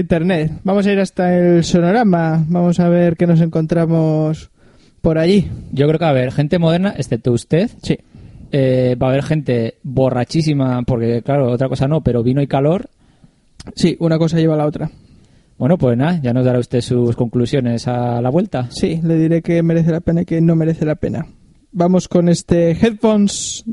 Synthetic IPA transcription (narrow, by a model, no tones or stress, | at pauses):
int̪eɾnet̪bamo̞saiɾast̪aelso̞noɾamabamo̞saβ̞e̞ɾke̞no̞s̬e̞ŋko̞nt̪ɾamos | po̞ɾaʝiɟ͡ʝo̞kɾekeaβe̞ɾxe̞nt̪e̞mo̞ð̞e̞ɾnaʔe̞sθe̞p̚t̪oust̪e̞θsiebaβ̞e̞ɾxẽ̞nt̪e̞βo̞rat͡ʃis̬imapo̞ɾke̞klaɾo̞ot̪ɾako̞sano̞pe̞ɾo̞βinoikalo̞ɾ | siʔunako̞s̬aʝe̞β̞alao̞t̪ɾa | bwe̞nopwe̞znaʝano̞zðaɾaust̪e̞susko̞ŋklusjo̞ne̞salaβwe̞lt̪asile̞ðiɾe̞ke̞me̞ɾe̞θelapenaike̞no̞me̞ɾe̞θe̞lape̞̰na | bamo̞sko̞ne̞st̪exet̪̚fons